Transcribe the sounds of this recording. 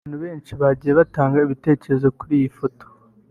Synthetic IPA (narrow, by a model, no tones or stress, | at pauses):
n̥huβe̞ːnt͡ʃiβaɟije̞βataːŋɡaiβite̞ːce̞ɾe̞zo̞kuɾijifoto̥